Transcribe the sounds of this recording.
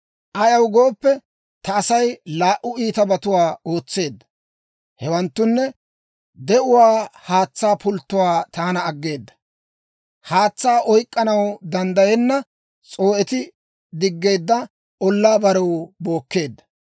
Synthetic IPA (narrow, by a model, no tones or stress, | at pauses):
ʔɐjɐwɡoːpːɛ | t̪ɐːsɐjlaːʔʊiːt̪ɐbɐt̪ʊwaːo̞ːt͡sːe̞ːd̪ːɐ̥ | hɛwɐnt̪ːʊnːɛ | d̪ɛʔʊwaːhaːt͡sːaːpʊlt̪ːʊwaːt̪aːnɐːɡːe̞ːd̪ːɐ̥ | haːt͡sːaːʔɔjkʼːɐnɐwd̪ɐnd̪ɐjɛnːɐ | t͡sʼo̞ːʔɛt̪ɪ | d̪ɪɡːe̞ːd̪ːɐ | ɔlːaːbɐɾɛwbo̞ːkːe̞ːd̪ːɐ̥